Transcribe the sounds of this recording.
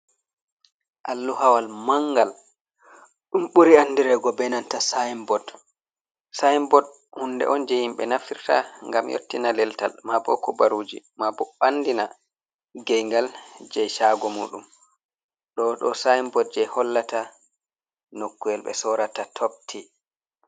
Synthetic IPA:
ʔalːuhawalmaŋɡal | ɗumɓuɾianːdiɾɛɡɔbɛnantasajmbɔd | sajmbɔd̚ | hundɛ̰ʔɔnd͡ʒɛhimɓɛ̰nafiɾta̰ŋɡamjʔo̰tːinalɛlta̰lmabɔ̰kɔbaɾuːd͡ʒḭ | mabɔɓandina | ɡɛjŋɡald͡ʒɛjʃaɡɔmṵːɗum | ɗɔɗɔsajmbɔd̚d͡ʒɛjhɔlːata | nokːujɛlɓɛ̰sɔɾatatʰop̚tʰi

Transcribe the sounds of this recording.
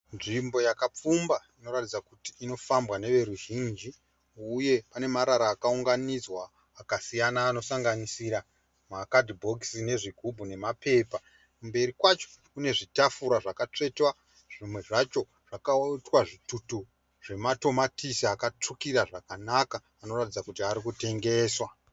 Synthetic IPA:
nʐimbo̞jakap͡fumbaino̞ɾatid͡zakutiːno̞fambwane̞ʋe̞ɾuʒind͡ʒi | uje̞pane̞maɾaɾaːkauŋɡanid͡zwaː | kasijanaːno̞saŋɡanisiɾa | makadʱibʱo̞ksine̞ʐiɡʱubʱune̞mape̞ːpa | kumbe̞ɾikwat͡ʃo̥kune̞ʐitafuɾaʐakat͡ʂe̞twa | ʐ̥imwe̞ʐat͡ʃo̞ | ʐ̥akaitwaʐitutu | ʐ̥e̞mato̞matisiakat͡ʂukiɾaʐakanakaːno̞ratid͡zakutiaɾikute̞ŋɡe̞ːswa

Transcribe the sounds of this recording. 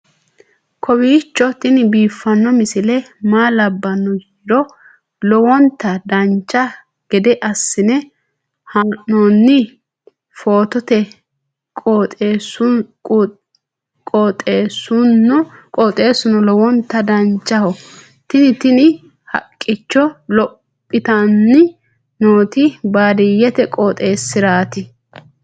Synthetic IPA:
kʰɔbiːt͡ʃːɔt̪ɪnɪbiːfːɐnːɔmɪsɪlɛmaːlɐbːɐnːɔjiːd̪ɔ | lɔwɔnt̪ːɐd̪ɐnt͡ʃːɐ | ɡ̥ɛd̪ɛʔɐsːɪnɛ | hɐʔonːɪ | foːt̪ɔt̪ɛ | kʼot̪ʼeːs | kʼoːt̪ʼeːsʊnːɔkʼoːt̪ʼe̞ːsʊnɔlɔwɔnt̪ːɐd̪ɐnt͡ʃːɐhɔ | t̪ɪnɪt̪ɪnɪ | hɐ̰kʼːɪt͡ʃːɔlɔppʼːɪt̪ɐnːɪ | noːt̪ɪbaːd̪ɪjːɛt̪ɛkʼoːt̪ʼeːsːɪɾaːt̪ɪ

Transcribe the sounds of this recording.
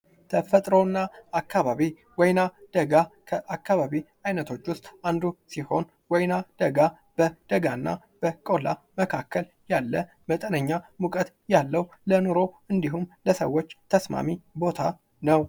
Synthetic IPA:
t̪ʰəfət̪ʼɾonːaakːaβaβi | wɔjnad̪̥əɡakʰəʔakːaβaβi | ajnət̪ʰo̞t͡ʃːwʊst̪ʼand̪usiho̞n | wɔjnad̪̥əɡa | b̥əd̪̥əɡaɨnːa̰ | b̥əkʼola | məkʰakːəl | jalːə | mət̪ʼənəɲːamukʼət̪ | jalːəwlənoɾo̞ | ɨnd̪iɦumləsə̰wːo̞t͡ʃːt̪ʰəsma̰mibo̞t̪ʰa | nəw

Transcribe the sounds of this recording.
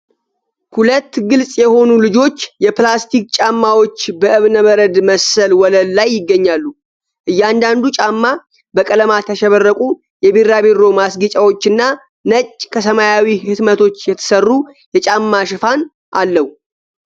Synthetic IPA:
hulət̪ːɡɨlsʼjɛho̞nulɨd͡ʒo̞t͡ʃːjɛplast̪ʰik̚t͡ʃʼamːawo̞t͡ʃːbəʔɨβnəməɾəd̪məsəlwɔləlːajːɪɡːəɲːalːu | ʔɨjːand̪and̪ut͡ʃʼamːa | bəkʼələmat̪ʰəʃɛβərːəkʼu | jɛbiɾaβeɾo̞masɡit͡ʃʼawo̞t͡ʃːɨnːa | nət͡ʃʼːkʰəsəmajawihɨt̪mət̪ʰo̞t͡ʃːjɛt̪ʰə̥sərːu | jɛt͡ʃʼamːaʃɪfan | ʔalːəhu

